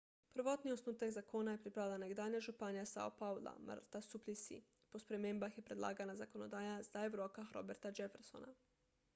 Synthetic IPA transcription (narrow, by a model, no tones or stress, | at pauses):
pr̩ʋo̞t̪nio̞snuːt̪aɡzakonaje̞pɾipɾaʋilanaɡd̪aːɲaʒupanijasa̰o̰paula̰ma̰ɾt̪asuplisḭ | po̞spɾe̞me̞mbaxje̞pɾed̪lˠa̰ːɡanazako̞nod̪aːjazd̪aeʋɾokaxɾo̞̰be̞ɾt̪ad͡ʒefeɾso̰na̰